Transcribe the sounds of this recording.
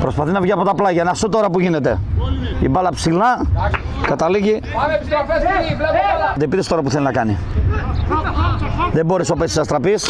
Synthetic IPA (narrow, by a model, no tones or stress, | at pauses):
pɾo̞spɐθinɐvʝiɐpot̪ɐplɐʝɐnɐsut̪o̞ɾɐpuʝine̞t̪e̞̰ḭbɐlɐpsilɐ | kɐt̪ɐliʝi | t̪ipiɾest̪o̞ɾɐpuθelinɐkɐni | ðembo̞ɾesopesisɐst̪ɾɐpis